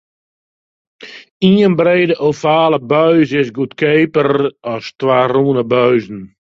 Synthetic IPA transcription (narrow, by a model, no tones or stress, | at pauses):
iənbreːdəʔofaːləbœɥzɪsɡutkeːpərɔstwaːruːnəbœɥzn̩